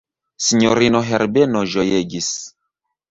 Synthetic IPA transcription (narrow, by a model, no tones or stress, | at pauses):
siɲoɾinoɦeɾbenoʒojeɡis